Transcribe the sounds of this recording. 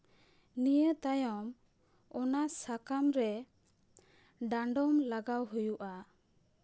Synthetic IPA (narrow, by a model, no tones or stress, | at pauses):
nijəʔt̪ajɔm | ɔnasakamɾɛ | ɖãɳɖɔmlaɡawɦujuʔa